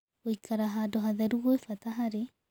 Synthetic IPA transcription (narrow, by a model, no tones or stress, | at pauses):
oikaɾaɦadɔɦaðaɾuɣoefataɦaɾe